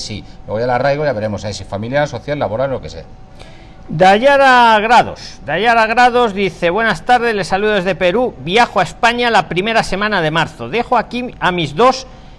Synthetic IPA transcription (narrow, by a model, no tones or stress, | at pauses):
sḭlwe̞ɣojalarajɣ̞ojaβe̞ɾe̞mo̞saisifamiljaɾso̞θjalːaβo̞ɾalolo̞kesḛa | d̪aʎaɾaɣɾaðo̞̰sd̪aʎaɾaɣ̞ɾaðo̞zðiθe̞βwe̞nast̪aɾð̞e̞sle̞saluðoezðe̞pe̞ɾubjaxoaespaɲalapɾime̞ɾase̞mãnaðe̞maɾθo̞ðe̞xoakiamizðo̞s